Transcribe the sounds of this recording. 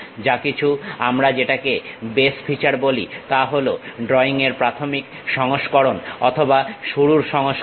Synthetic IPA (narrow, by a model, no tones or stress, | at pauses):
d͡ʑakit͡ɕʰuamɾad͡ʑeʈakebesfʰit͡ɕaɾbolḭt̪aɦoloɖɾɔiŋeɾpɾat̪ʰomik | ʃɔŋoʃkɔɾonɔ̰t̪ʰobaʃuɽuɾʃɔŋoʃ